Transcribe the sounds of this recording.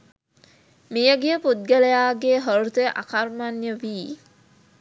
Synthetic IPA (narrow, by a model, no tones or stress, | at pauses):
mijəɡijəpud̪̚ɡəlejaːɡeːɦəɾut̪eʔa̰karmanjəʋiː